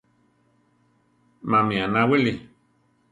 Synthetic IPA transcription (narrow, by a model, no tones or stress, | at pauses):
mãmĩanãwili